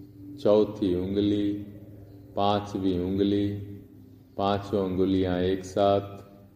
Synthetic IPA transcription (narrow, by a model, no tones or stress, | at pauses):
t͡ʃɔʊt̪ʰiːɦʊ̃ŋɡliː | pãːt͡ʃʋiːɦʊ̃ŋɡliː | pãːt͡ʃõŋɡʊlijãːeːksaːt̪ʰ